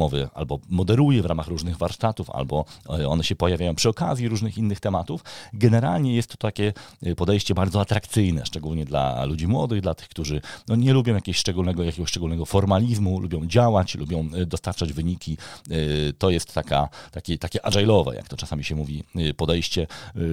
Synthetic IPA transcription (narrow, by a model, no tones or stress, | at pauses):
ɔvɘa̰lbɔmɔd̪ɛɾujɛvɾamaxɾuʐnɘɣvaɾʂt̪at̪ufa̰lbɔɔ̰nɛɕɛpɔjavʲajɔ̃w̃pʂɘɔka̰zʲjiɾuʐnɘxinːɘxt̪ɛmat̪ufɡɛnɛɾa̰lɲɛjɛst̪ːɔ̥t̪akʲɛpɔd̪ɛjɕt͡ɕɛbaɾd̪zɔat̪ɾakt̪sɘjnɛ̰ʂt͡ʂɛɡulɲɛd̪la̰lud͡ʑimwɔ̰d̪ɘɣd̪lat̪ɘ̥xkt̪uʐɘnɔɲɛlubʲjɔ̃w̃jakʲeɡɔɕʂt͡ʂɛɡulnɛɡɔjakʲeɡɔɕʂt͡ʂɛɡulnɛɡɔfɔɾmalʲizmulubjɔ̃w̃d͡ʑawat͡ɕlṵbʲjɔ̃w̃d̪ɔst̪aɾt͡ʂad͡ʑvɘɲikʲi | t̪ɔjɛst̪ːaka̰t̪akʲit̪akʲɛʔaʐajlɔvɛ̰ja̰kt̪ɔt͡ʂasamʲiɕɛmuvʲipɔd̪ɛjɕt͡ɕɛ